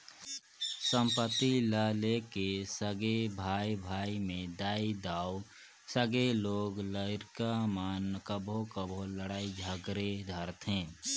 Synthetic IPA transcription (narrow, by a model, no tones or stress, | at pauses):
sə̃mpət̪iləlekesəɡebʱaibʱaːimẽd̪aːid̪aːu | səɡeloːɡləɪɾkamaːnkəbʱokəbʱoləɽaːid͡ʒʱəɡɾed̪ʱəɾt̪ʰɦẽː